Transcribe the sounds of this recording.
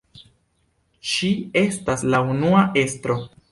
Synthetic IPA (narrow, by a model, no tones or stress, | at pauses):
ʃie̞staslaunuaʔe̞stɾo̞